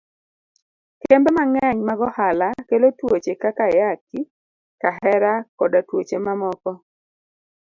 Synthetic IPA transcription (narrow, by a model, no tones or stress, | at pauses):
kembemaŋɛɲmaɡɔhalakelotwot͡ʃekakajaki | kaɦɛɾakɔdatwot͡ʃemamɔkɔ